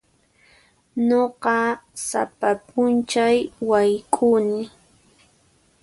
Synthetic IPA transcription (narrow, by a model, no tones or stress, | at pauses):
noqɑsa̰papʼʊnt͡ʃajwajkʼunɪ